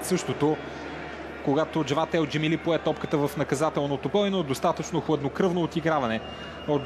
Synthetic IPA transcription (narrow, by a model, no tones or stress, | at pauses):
sɤʃt̪ot̪o | koɡat̪od͡ʒvat̪ɛld͡ʒɛmilipoɛt̪ɔpkət̪əvəfnɐkɐzat̪ɛlˠnot̪opɔinoɛd̪ost̪at̪ət͡ʃnoxlˠəd̪nokɾɤvnoːt̪iɡɾavɐnɛ | o